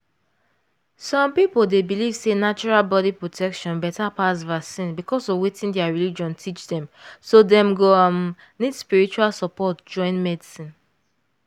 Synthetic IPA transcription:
sɔ̃mpipoldebiliv̥senat͡ʃɔɹalbɔdipɹotʰɛkʃɔ̃nbɛtapasvasĩnbikʰɔsɔvwetĩndɛaɹilid͡ʒɔ̃ntʰit͡ʃdɛ̃msodɛ̃mɡoam | nidspiɹit͡ʃualsɔpɔtd͡ʒɔ̃ɪ̃nmɛdisĩn

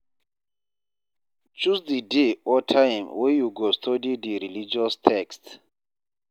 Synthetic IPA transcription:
t͡ʃusdideɔtʰajmwɛjuɡɔstʰodiddiɾilid͡ʒiɔstʰɛkst

